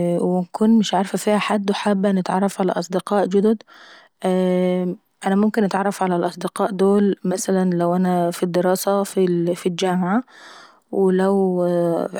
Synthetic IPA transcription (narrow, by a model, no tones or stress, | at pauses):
wɪnkuːnmɪʃʕaɾˤfæfiːhæħad̪ːweħaːbːænɪt̪ʕɑ̰rˤːɑfʕalæ̰ʔɑsˤd̪ɪqɑːʔd͡ʒʊd̪od̪ | ʔæ | ʔænæmʊmkɪnʔɪt̪ʕɑrˤːɑfʕalælʔɑsˤd̪ɪqɑːʔd̪oːlmæsælænlæwʔænæfid̪ːɪɾɑːsæfifild͡ʒæːmʕa | welæw